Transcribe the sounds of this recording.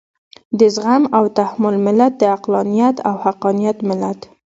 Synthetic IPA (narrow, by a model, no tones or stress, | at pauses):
d̪əzɣamawt̪ahmʊlmɪlat̪̚d̪əaqlɑnijat̪awhaqɑnijat̪mɪlat̪